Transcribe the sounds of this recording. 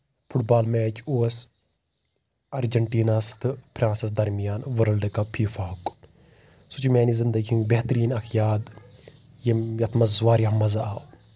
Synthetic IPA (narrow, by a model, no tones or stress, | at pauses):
pʰuʈbaːlmɛːt͡ʃʰuːs | ɐɾd͡ʒɐɳʈiːnaːst̪ʰɨpʰɾãːnsis̬d̪ɐɾmijaːnʋɐɾɐlɖɨkɐpʰiːfaːɦuk | sut͡ʃumʲaːnizind̪ɐɡiũbeɦt̪ɐɾiːnɐkʰjaːd̪ | jejɐt̪ʰmɐzʋaːɾɐɐmːɐzaaːw